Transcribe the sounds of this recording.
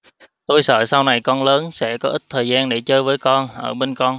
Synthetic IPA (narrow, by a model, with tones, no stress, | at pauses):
t̪o˧jsə̰ː˧˨sa˧wna˨˩jkɔ˧nləː˨˦nsɛ̰˧˥kɔ˨˦ʔi˦˥t̚t̪ʰəː˨˩jzaː˧nɗe˧˩t͡ɕəː˨˧jvəː˨˦jkɔ˧nʔəː˧˩ɓe˧nkɔ˧n